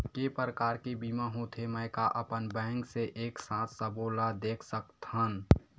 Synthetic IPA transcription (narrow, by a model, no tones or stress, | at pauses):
kepəɾəkaːɾkebiːmãɦoːt̪ʰeməkaʔəpənbɛ̃ːŋkseʔeːksãːt̪ʰsəboːlad̪eːkʰsəkt̪ɦən